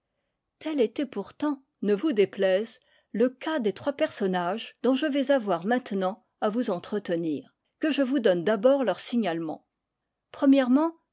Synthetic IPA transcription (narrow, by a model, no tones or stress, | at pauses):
t̪ɛlet̪ɛpuʁt̪ɑ̃ | nəvud̪eplɛz | ləkad̪et̪χwapɛʁsɔnaʒd̪̥ɔ̃ʒəvɛzavwaʁmɛ̃t̪nɑ̃ | avuzɑ̃t̪χət̪əniːʁ | kəʒəvud̪ɔnd̪abɔʁlœʁsiɲalmɑ̰̃ | pχəmjɛʁmɑ̃